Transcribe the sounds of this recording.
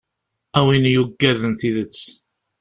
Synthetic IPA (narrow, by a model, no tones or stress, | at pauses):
æwinjuɡːæðənt̪iðət͡sː